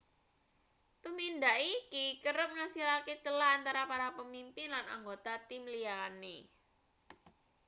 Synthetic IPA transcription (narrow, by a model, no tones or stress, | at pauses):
t̪umindaʔikikəɾəp̚ŋasilaket͡ʃəlaant̪aɾapaɾapəmimpɪnlana̰ŋɡot̪at̪imliane